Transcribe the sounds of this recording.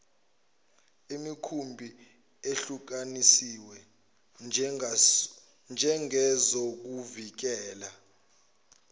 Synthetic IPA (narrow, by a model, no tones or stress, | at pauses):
imikʰumbʱi | eɬuk̬anisiwɛ | nd͡ʒʱɛŋɛzok̬uvik̬ɛːla